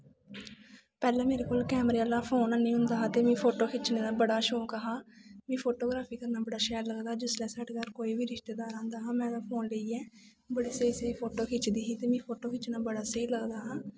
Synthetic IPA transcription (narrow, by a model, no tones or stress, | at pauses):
pɛːlɛ̃ːmeːɾeːkoːlkɛːmɾeːalaːpʰoːnanĩːɦʊ̃nd̪aːɦaːt̪eːmɛ̃ːpʰoːʈoːkʰɪt͡ʃneːnaːbəɽaːʃoːkəɦaːmɛ̃ːpʰoːʈoːɡɾaːpʰiːkəɾnaːbəɽaːʃɛːɾləɡd̪aːd͡ʒɪslɛːsəʈɡ̪aːɾkoːiːbiːɾɪʃt̪eːd̪aːɾãːnd̪aːɦãːmɛ̃ːd̪apʰoːnləiːɛː | bəɽiːsəiːsəiːpʰoːʈoːkʰɪt͡ʃd̪iːɦiːt̪eːmɛ̃ːpʰoːʈoːkʰɪt͡ʃnaːbəɽaːsəiːləɡd̪aːɦãː